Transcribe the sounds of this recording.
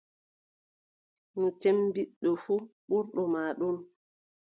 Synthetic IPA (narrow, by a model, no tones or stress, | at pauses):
nutembiɗːɔfuɓuɾɗɔmaːɗun